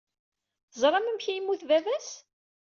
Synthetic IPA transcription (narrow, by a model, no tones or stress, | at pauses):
θəzˤɾˤɑməmçæjimːuθvævæs